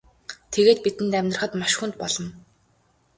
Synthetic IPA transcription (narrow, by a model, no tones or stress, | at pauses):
t̪ʰeɣeːt̪̚pit̪ɘ̆nt̪æmʲn̆rə̆χə̆t̪maʃxunt̪̚pɔɮɞ̆n